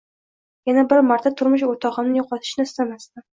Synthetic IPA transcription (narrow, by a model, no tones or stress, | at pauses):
janabɪɾmaɾt̪ʰat̪ʰʊɾmʊʃ̬ot̪ʰɒʁɨmnɪjɒqʰɒt̪ʰɪ̥ʃnɪɪst̪amast̪ɪ